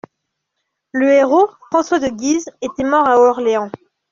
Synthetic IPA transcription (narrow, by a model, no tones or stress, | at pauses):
ləeʁofχɑ̃swad̪əɡʲizet̪ɛmɔʁaɔʁleɑ̃